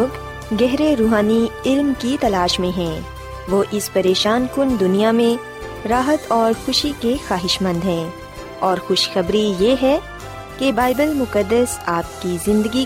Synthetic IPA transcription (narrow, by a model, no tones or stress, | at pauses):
oːɡ | ɡɛɦɾeɾuːɦaːniɪlmkit̪ɐlaːʃmẽɦɛ̃ː | ʋoːʔɪspɐɾeːʃaːnkʊnd̪ʊnijamẽ | ɾaːɦət̪ɔːɾxʊʃikexaːɦɪʃmə̃nd̪ɦɛ̃ː | ɔːɾxʊʃxɐbɾijeɦɛ | kebaːɪbəlmʊkəd̪ːəsaːp̚kizɪ̃nd̪əɡi